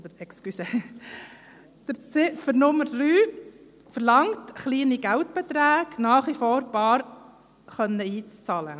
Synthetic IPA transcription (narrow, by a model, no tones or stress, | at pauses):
od̥̪əɾɛkskysə | d̪̥əɾt͡sefəɾnʊmːəɾːyː | fəɾlɑŋtχliːniɡæltb̥ɛt̪ɾæːɡ̥nɑːχʋifoːɾbɑːɾ | χœnːəiːt͡st͡sɑːlə